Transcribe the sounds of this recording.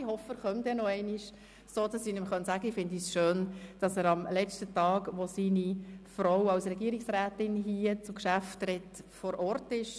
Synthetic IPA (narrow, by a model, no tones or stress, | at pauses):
ihɔfəɾχœmdɛnɔɛɪniʃ | soːd̥ɑsiːnɪmχœntsæɡ̥əɪfɪndisʃøːnd̥ɑsəːɾɑmlɛt͡ʃtətɑːɡʋosiːnifɾowɑwsrɛɡiəɾɪksɾæːtɪnɦiət͡sʊkʃæftrɛtfɔɾʔɔrtɪʃ